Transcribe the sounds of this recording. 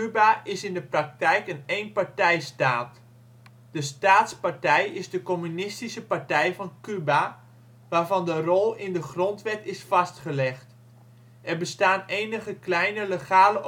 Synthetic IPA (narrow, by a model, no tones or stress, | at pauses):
kybaʔɪsɪndəprɑk̚tɛjkənejnpaɹtɛjstaːt | d̥əstaːtspartɛjɪzdəkomynɪstisəpartɛjvɑnkyba | ʋaːrvɑndərɔlˠɪndəχrontʋɛtɪsfɑstχəlɛχt | ʔɛrbəstaːnejnəχəklɛjnələχaːlə